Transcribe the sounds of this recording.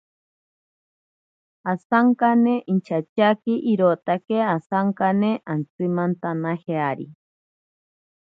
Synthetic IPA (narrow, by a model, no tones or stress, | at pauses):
asaŋkaneʔint͡ʃʰat͡ʃakiʔiɾot̪akeasaŋkaneʔant͡sɨmant̪anaheaɾḭ